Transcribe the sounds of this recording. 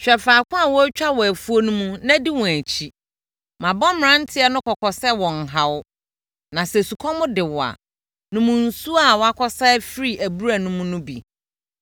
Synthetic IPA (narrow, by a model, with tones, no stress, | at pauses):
ɕᶣɛ˨faː˨kʰʷʊ̃˦a˨wɔ˦t͡ɕᶣa˦wɔ˨æ˨fu˦o˦nũ˦mũ˦nã˦di˦wɔ̃˨æ˨t͡ɕʰi˦ | mã˨bɔ˦mɪ̃˨ɾã˦n˦tʰɪ˦ɛ˦nʊ̃˦kʰɔ˨kʰɔ˨sɛ˦wɔ̃˨n˨ɦa˨wʊ˦ | nã˨sɛ˨su˨kʰɔ˦mʊ̃˦dɪ˨wɔ˨a̰˨ | nʊ̃˦mʊ̃˨n̩˨su˦a˦˨wɔ˨˦a˦kʰɔ˦sa˦fi˦ɾi˦ʔæ˨bu˦ɾæ˨nũ˦mũ˦nʊ̃˦bḭ˨